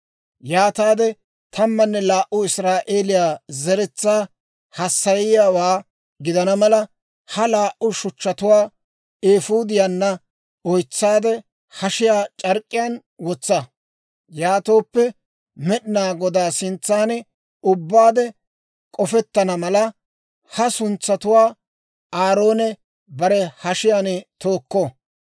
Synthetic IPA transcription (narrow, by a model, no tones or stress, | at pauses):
jaːt̪aːd̪ɛ | t̪ʰɐmːɐnːɛlaːʔːʊɪsɾaːʔe̞ːlɪjaːzɛɾɛt͡sːaː | hɐsːɐjɪjaːwaː | ɡɪd̪ɐnɐmɐlɐ | hɐlaːʔʊʃʊt͡ʃːɐt̪ʊwaː | eːfuːd̪ɪjanːɐ | ɔjt͡sːaːd̪ɛ | hɐʃɪjaːt͡ʃʼɐɾkʼːɪjaːn | wɔt͡sːɐ | jaːt̪o̞ːpːɛ | mɛɗɪnaːɡɔd̪aːsɪnt͡sːaːnɛ | ʊbːaːd̪ɛ | kʼɔfɛt̪ːɐnɐmɐlɐ | hɐsʊnt͡sːɐt̪ʊwaː | aːɾo̞ːnɛ | bɐɾɛhɐʃɪjaːnt̪o̞ːkːo